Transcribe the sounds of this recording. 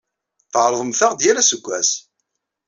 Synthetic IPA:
θʕɾˤðˤəmθəʁd̪jælæsəɡʷːæs

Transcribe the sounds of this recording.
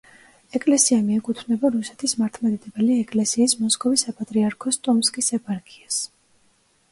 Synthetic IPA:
ɛkʼlɛsiamiɛkʼut̪ʰnɛbaɾusɛ̥t̪ʰismaɾt̪ʰmad̪id̪ɛbɛliɛkʼlɛsiːsmɔskʼɔvisapʼat̪ʼɾiaɾkʰɔst̪ʼɔmskʼisɛpaɾkʼias

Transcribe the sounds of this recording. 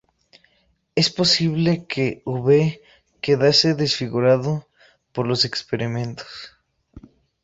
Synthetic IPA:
e̞spo̞siβle̞kʰeuβe | ke̞ðase̞ðesfiɣuɾaðo | po̞ɾlo̞se̞kspe̞ɾimẽ̞nt̪o̥s

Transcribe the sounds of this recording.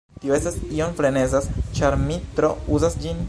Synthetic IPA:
tioe̞stasionfle̞ne̞zast͡ʃaɾmitɾo̞uzasd͡ʒin

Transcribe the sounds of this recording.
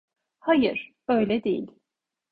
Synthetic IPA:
hajɯɾ̥ | ø̞jlʲɛd̪ejḭlʲ

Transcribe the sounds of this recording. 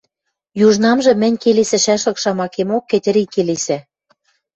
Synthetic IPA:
juʒnɑmʒɤ̆mɘ̆nʲkelesɘ̆ʃæʃlɤ̆kʃɑmɑkemokːĕtʲɘ̆ɾikːelesɘ̆

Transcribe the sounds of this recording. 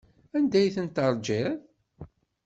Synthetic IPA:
ænd̪æjθənt̪əɾˤd͡ʒæð

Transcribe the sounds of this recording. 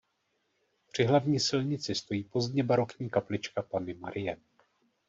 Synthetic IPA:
pr̝̥ɪɦlavɲiːsɪlɲɪt͡sɪst̪o̞jiːpo̞zdɲɛbaɾo̞kɲiːkaplɪt͡ʃkapanɪmaɾʔɪjɛ

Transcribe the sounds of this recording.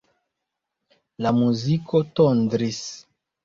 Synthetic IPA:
lamuziko̞tondɾis

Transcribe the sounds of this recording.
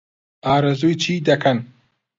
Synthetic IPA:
aːɾɐzujt͡ʃʰiːd̪ɐkʰɐn

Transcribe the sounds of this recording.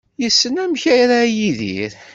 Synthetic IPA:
jəsːənæmçæjɾajiðḭɾ

